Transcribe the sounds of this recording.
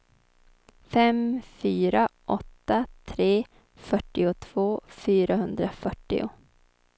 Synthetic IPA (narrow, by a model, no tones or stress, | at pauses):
fɛmfyːɾaʔɔt̪ːat̪ʰɾeː | fœʈːɪʊt̪ʰv̥oːfyːɾaɦɵnd̪ɾafœʈːɪ̰ʊ